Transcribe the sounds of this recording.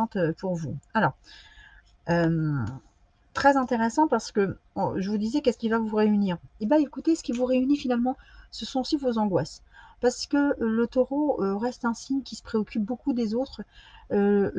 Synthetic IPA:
ɑ̃t̪øpuʁvualɔːʁ | øm | t̪χɛzɛ̃t̪eʁesɑ̃paʁsə̥kəɔ̰ʒəvud̪izɛkɛskʲilvavuʁeyniːʁebaekut̪esə̥kʲivuʁeynifinalmɑ̃səsɔ̃osivozɑ̃ɡwaspaʁsə̥kələt̪oʁoøʁɛst̪ɛ̃siɲkʲisə̥pχeɔkʲyp̚bokud̪ezot̪χø

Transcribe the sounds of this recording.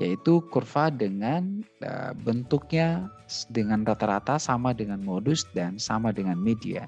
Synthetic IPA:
jait̪ukurfadəŋanə̰bənt̪ʊk̚ɲa | dəŋanrat̪aɾa̰t̪asamadəŋanmodusdansamadəŋanmedia̰

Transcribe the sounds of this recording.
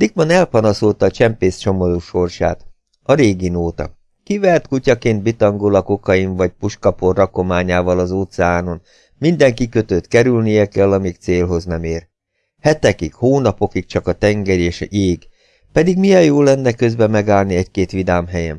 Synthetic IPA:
d̪ikbɒnɛlpɒnɒsolt̪ɒːt͡ʃɛmpeːst͡ʃo̞mod̪uʃo̞rʃa̰ːt̪ | ɒɾeːɡinoːt̪ɒ̰ | kivɛrt̪kucɒkeːnd̪̚bit̪ɒŋɡolɒkokɒjiɱvɒc̚puʃkɒporːɒko̞maːɲaːvɒlɒzoːt̪sɛaːno̞n | mind̪ɛŋkikø̞t̪øt̪kɛɾylnijɛkɛlːɒmikt̪seːlɦo̞znɛmeːr | hɛt̪ɛkikhoːnɒpo̞kik̚t͡ʃɒkɒt̪ɛŋɡɛɾeːʃeːɡ | pɛd̪iɡmijɛjjoːlːɛnːɛkø̞zbɛmɛɡaːlniɛckeːt̪ʋid̪aːmɦɛjɛm

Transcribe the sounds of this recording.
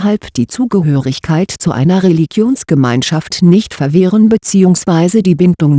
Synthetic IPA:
halpd̥iːt͡suːɡəɦøːʁɪçkʰaɪtt͡suʔa̰ɪnɐʁeliɡjoːnsɡ̥əmaɪnʃaftnɪçtfɛɐvɪːʁənbət͡siːʊŋsv̥aɪzədiːbɪndʊŋ

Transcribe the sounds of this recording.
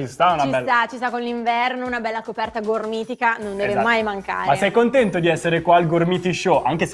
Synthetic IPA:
t͡ʃist̪aunaibɛt̪at͡ʃist̪akonliɱvɛrnounabɛlːakopɛrt̪aɡormiːt̪ikanõnd̪ɛːvemajmaŋka̰ːɾaesɛjkont̪ɛnt̪od̪iɛsːeɾekwaːlɡormit̪iʃoʔaŋk̟es

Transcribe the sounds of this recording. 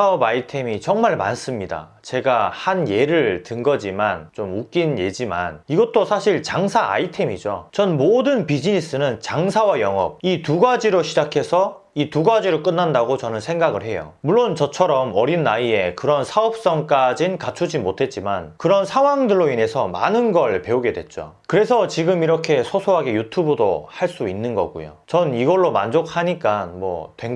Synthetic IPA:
saʌbaitʰe̞mit͡ɕʌŋmaɭma̰ns͈ɯmɲida̰ | t͡ɕe̞ɡahanje̞ɾɯɭtɯŋɡʌd͡ʑimant͡ɕomuk͈inje̞d͡ʑima̰niɡʌt͈̚osʰaɕʰiɭt͡ɕaŋsʰaa̰itʰe̞mid͡ʑot͡ɕʌnmodɯnpid͡ʑinis͈ɯnɯnt͡ɕaŋsʰawajʌŋʌ̰p̚ituɡad͡ʑiɾoɕʰid͡ʑakʰe̞sʰʌ | ituɡad͡ʑiɾɯɭk͈ɯnːandaɡot͡ɕʌnɯnsʰe̞ŋɡaɡɯɭɦe̞jo̰muɭːont͡ɕʌt͡ɕʰʌɾʌmʌɾinːaie̞kɯɾʌnsʰaʌp̚s͈ʌŋk͈ad͡ʑinkat͡ɕʰud͡ʑimotʰe̞t̚t͡ɕ͈ima̰nkɯɾʌnsʰawaŋdɯɭːoine̞sʰʌma̰nɯnɡʌɭpe̞uɡe̞dwe̞̰t̚t͡ɕ͈o̰kɯɾe̞sʰʌt͡ɕiɡɯmiɾʌkʰe̞sʰosʰoɦaɡe̞jutʰubɯdo̰haɭs͈uinːɯnɡʌ̰ɡṵjo̰t͡ɕʌniɡʌɭːoma̰nd͡ʑok̚ʰhaɲik͈anmwʌ̰tweŋ

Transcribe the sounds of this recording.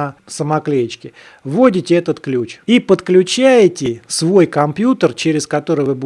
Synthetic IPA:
əsəmɐklʲejt͡ɕkʲɪ | vo̞dʲɪtʲɪɛt̪ət̪klʲut͡ɕipət̪klʲʉt͡ɕæjtʲɪsvo̞jkɐmpʲjut̪ərt͡ɕeɾʲɪskɐt̪o̞ɾɨjvɨbu

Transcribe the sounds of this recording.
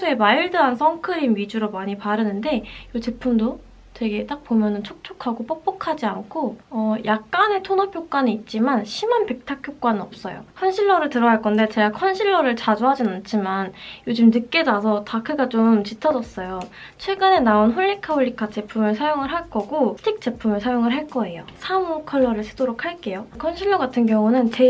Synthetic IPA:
sʰue̞maiɭdɯɦansʰʌŋkʰɯɾimɥid͡ʑuɾomaɲipaɾɯnɯnde̞jot͡ɕe̞pʰumdo | twe̞ɡe̞t͈ak̚pomjʌnɯnt͡ɕʰok̚t͡ɕʰokʰaɡop͈ok̚p͈okʰad͡ʑiankʰoʌjʔak̚k͈ane̞tʰonʌpʰjok͈aɲiːt̚t͡ɕ͈imanɕʰimanpe̞k̚tʰakʰjok͈waninʌp̚s͈ʌjo̰kʰʌnɕʰiɭːʌɾɯɭtɯɾʌnaɭk͈ʌnde̞t͡ɕe̞ɡakʰʌnɕʰiɭːʌɾɯɭt͡ɕad͡ʑuɦad͡ʑinant͡ɕʰimanjod͡ʑɯmnɯk̚k͈e̞dasʰʌtakʰɯɡat͡ɕomt͡ɕitʰʌd͡ʑʌs͈ʌjo | t͡ɕʰwe̞ɡɯne̞naonɸuʎːikʰahuʎːikʰat͡ɕe̞pʰumɯɭsʰajoŋɯɭɦaɭk͈ʌɡotʰik̚t͡ɕ͈e̞pʰumɯɭsʰajoŋɯɭɦaɭk͈ʌe̞josʰamukʰʌɭːʌɾɯɭsʰɯ̥doɾokʰhaɭk͈e̞jokʰʌnɕʰiɭːʌɡatʰɯnkjʌŋunɯnt͡ɕe

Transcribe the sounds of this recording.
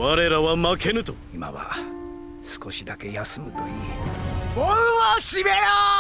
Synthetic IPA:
βaɾe̞ɾaβamakʰe̞nɯ̟t̪o | ima̰βa̰ | sɨ̥ko̞ɕid̪ake̞jasɨmɯ̟t̪o̞iː | oaɕibeja

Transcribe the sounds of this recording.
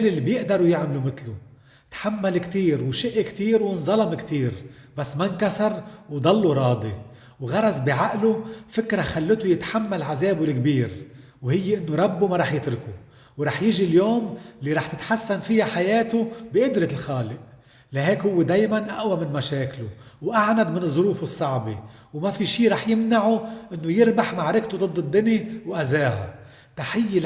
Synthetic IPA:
lɪlːibjɪʔd̪ɑɾˤujɪʕmalumɪt̪lʊ | t̪ħamːalkt̪iːɾwʃɪʔkt̪iːɾwɪnzˤɑlɑmkt̪iːɾbasːmankasɑɾˤwd̪ˤɑlːuɾˤɑːd̪ˤi | wɣɑɾˤɑzbiʕaʔlufɪkɾaxalːɪt̪ujɪt̪ħamːalʕazeːbulkbiːɾ | whɪjːeʔɪnːoɾˤɑbːumaɾˤɑːħjɪt̪ɾɪku | wɾˤɑːħjɪʒiljoːmlːiɾˤɑːħt̪ɪt̪ħasːanfɪjaħajeːt̪ʊbɪʔʊd̪ɾɪlxaːlɪʔ | laɦeːkhʊwːed̪eːjmanʔaʔwamɪnmaʃeːklʊwʔaʕnad̪mɪnɨzˤːʊɾuːfɨsˤːɑʕbi | wmafiʃiːɾˤɑːħjɪmnaʕuʔɪnːojɪɾbaħmaʕɾɪkt̪ud̪ˤɨd̪ˤːɨd̪ːɪniwʔazaːha̰ | t̪aħɪjːe

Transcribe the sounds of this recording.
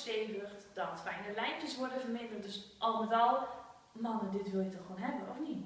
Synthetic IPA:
steːdərtd̥ɔtfɛjnəlɛjmpjəsʋɔɹdənvərmɪndərt̚døsʔɔlˠmətalˠ | manədɪtʋɪlˠjətɔxʋoːnɦɛbənɔfni

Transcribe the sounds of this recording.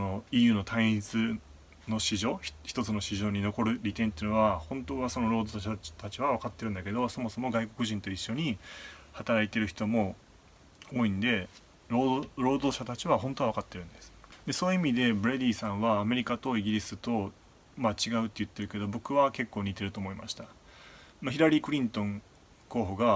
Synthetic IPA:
onoijɯ̟ːno̞t̪ʰãĩt͡sɨ | no̞ɕiʑo̞ːç̥çi̥t̪o̞t͡sɨno̞ɕiʑo̞ːɲ̟ino̞ko̞ɾɯ̟ɾʲit̪ẽnt̪eiɯnoβahõ̞nt̪o̞ːβaso̞no̞ɾo̞ːd̪oɕat̪at͡ɕiβaβakat̪ːe̞ɾɯ̟̃nd̪ake̞d̪o̞so̞mo̞so̞mo̞ɡaiko̞kɯ̟ʑĩnt̪o̞iɕːo̞ɲ̟ihat̪aɾait̪e̞ɾɯ̟çi̥t̪o̞mo̞ | oːĩnd̪e̞ | ɾoɾo̞ːd̪o̞ːɕat̪at͡ɕiβaɦõ̞nt̪oβakat̪ːe̞ɾɯ̟̃nd̪e̞sɨ̥d̪e̞so̞ːɯimʲid̪e̞bɯ̟ɾe̞d̪ʲiːsãɰ̃βaːme̞ɾʲikat̪o̞iɡʲiɾʲisɨt̪o̞ | mat͡ɕiɡaɯ̟t̪ːe̞jɯ̟t̪ːe̞ɾɯ̟ke̞d̪o̞bo̞kɯ̟βake̞kːo̞ːɲ̟it̪e̞ɾɯ̟t̪o̞ːmo̞ima̰ɕi̥t̪a | maçiɾaɾʲiːkɯ̟ɾʲĩnt̪õ̞ŋ | ko̞ːɦoɡa

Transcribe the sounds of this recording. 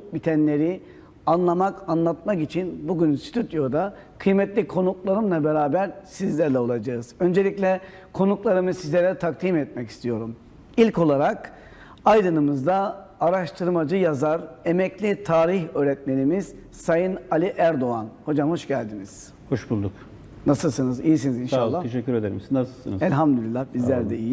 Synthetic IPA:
bit̪ʰɛnlʲe̞ɾi | anlˠamakanlˠat̪̚makit͡ʃʰinbuɟynsi̥t̪ʰut̪jo̞d̪a | kʰɯjmɛt̪lʲikʰo̞nuklˠaɾɯmlˠabeɾaːbæɾsizlʲæɾlʲɛolˠad͡ʒaɯz̥ø̞nd͡ʒe̞lʲicʲlʲɛ | kʰo̞nuklˠaɾɯmɯzsizlʲɛɾʲɛt̪ʰak̚t̪ʰimɛt̪̚mɛci̥st̪ʰijo̞ɾum | ilʲko̞lˠaɾak | ajd̪ɯnɯmɯzd̪aːɾaʃt̪ʰɯɾmad͡ʒɯjazaɾe̞mɛclʲit̪ʰaːɾiçøːɾɛt̪̚me̞nimiz̥ | sajɯnalʲiʔæɾd̪oanho̞d͡ʒamho̞ʃɟælʲd̪iniz̥ | ho̞ʃbulˠd̪uk | nasɯlˠsɯnɯzijis̬inizinʃʃaːatʰeʃɛcʰʲːyɾed̪eɾimsinːasɯlˠsɯ̰nzɛlʲɦamd̪ølʲilʲːahbizlʲæɾd̪ɛiji

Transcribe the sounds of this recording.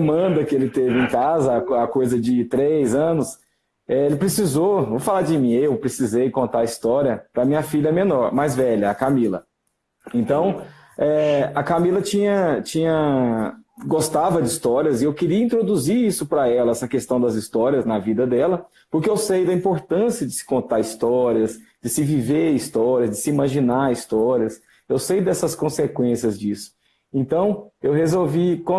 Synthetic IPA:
mɐ̃nd̪ɐkɪelɪt̪evɪẽkazɐɐkojzɐd͡ʒɪt̪ɾejzɐ̃nʊs | ɛelɪpɾesizovofalad͡ʒɪmĩewpɾesizejkõnt̪aɐist̪ɔɾiɐpɾɐmĩɲɐfilʎɐɛmẽnɔɾmɐzvɛʎɐɐkamilɐ̰ | ẽnt̪ɐ̃w̃ | ɛɐkamilɐt͡ʃĩɲɐt͡ʃĩɲɐ | ɡost̪avɐd͡ʒɪist̪ɔɾiɐzɪewkɪɾiɐĩnt̪ɾod̪uziɾisʊpɾɐɛlɐɛsɐkest̪ɐ̃w̃d̪ɐzist̪ɔɾiɐznɐvid̪ɐd̪ɛlɐ | pʊɾkeewsejd̪ɐĩmpoɾt̪ɐ̃siɐd͡ʒɪsɪ̥kõnt̪aɾist̪ɔɾiɐzd͡ʒɪsɪviveɾist̪ɔɾiɐzd͡ʒɪsɪimaʒinaist̪ɔɾiɐs | ewsejd̪ɛsɐskõsekwẽsiɐzd͡ʒisʊ̥ | ẽt̪ɐ̃w̃ewɦezowvikõ

